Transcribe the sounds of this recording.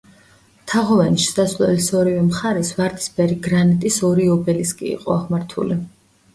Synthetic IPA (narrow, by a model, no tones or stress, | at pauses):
t̪ʰaʁɔvɛniʃsd̪aslɛ̰lisɔɾivɛmχaɾɛsvaɾd̪i̥sbɛɾiɡɾanit̪ʼisɔɾiɔbɛliskʼḭḭqʼɔaʁmaɾt̪ʰṵli